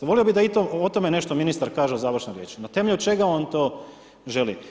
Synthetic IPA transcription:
ʋo̞lijobid̪ait̪oot̪omene̞ʃt̪ominist̪aɾkaːʒeozaːʋɾ̩ʃnoɾjeːt͡ʃnat̪e̞meʎʲut͡ʃe̞ɡao̞nt̪o̞ː | ʒe̞lḭ

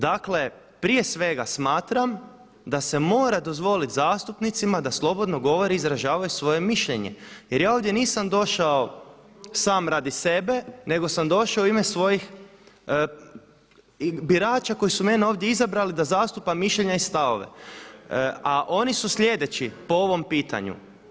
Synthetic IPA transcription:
d̪akle̞ | pɾije̞sʋe̞ɡasmaːt̪ɾam | d̪ase̞mo̞ːɾad̪o̞zʋo̞lit̪zaːst̪upnit̪simad̪aslˠo̞bo̞d̪no̞ɡo̞ʋo̞ɾiizɾaʒaːʋajusʋo̞je̞miʃʎeɲe̞̰jeɾjaːoʋd̪je̞niːsamd̪o̞ʃao | saːmɾad̪ise̞be̞ne̞ɡo̞samd̪o̞ʃaoimesʋo̞jix | biɾaːt͡ʃako̞jisume̞neoːʋd̪je̞izabɾalid̪azaːst̪upamːiʃʎeɲaist̪aʋo̞̰ʋe̞̰ | aʔo̞nisusʎʲe̞d̪e̞t͡ɕipo̞o̞ʋo̞mpiːt̪a̰ɲṵ

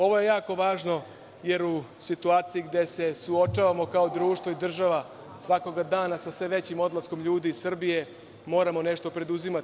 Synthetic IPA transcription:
o̞ʋo̞je̞jaːko̞ʋaːʒno̞ | je̞ɾusit̪uaːt̪sijiɡd̪e̞se̞suo̞t͡ʂaːʋamo̞kao̞d̪ɾuːʃt̪ʋo̞id̪r̩ʒaʋa | sʋako̞ɡad̪aːnasasʋe̞ʋe̞t͡ɕimo̞d̪lˠasko̞mʎuːd̪iːsr̩bije̞ | mo̞ːɾamo̞ne̞ʃt̪o̞pɾe̞d̪uzima

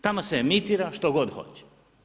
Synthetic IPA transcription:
t̪amoseːmit̪iːɾaʃt̪oɡod̪xo̞̰t͡ɕɛ̥

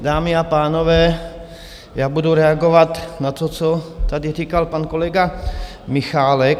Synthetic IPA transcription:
daːmɪapaːnovɛː | jaːbuduɾɛaɡovat̪nat̪ot͡sot̪adɪriːkalpanko̞lɛɡa | mɪxaːlɛk

